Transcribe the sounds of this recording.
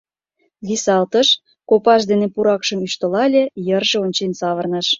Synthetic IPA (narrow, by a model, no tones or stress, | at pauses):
βisɑlt̪əʃ | kopɑʃd̪enepuɾɑkʃə̆myʃt̪ə̆lɑlʲejərʒeonʲt͡ɕensɑβərnəʃ